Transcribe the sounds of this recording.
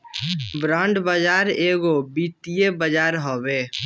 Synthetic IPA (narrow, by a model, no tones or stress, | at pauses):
bɾãːɳɖbəd͡ʒaːɾeːɡobit̪ijebəd͡ʒaːɾɦoːbeː